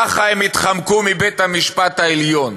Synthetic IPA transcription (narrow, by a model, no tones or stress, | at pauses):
aχaemit̪χamkumibet̪hamiʃpat̪haeljon